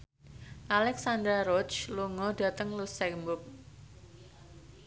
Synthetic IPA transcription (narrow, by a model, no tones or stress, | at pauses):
ʔalɛksand̪ɾaɾɔt͡ʃluŋɔɖ̥a̤t̪əŋlusɛmbʊp̚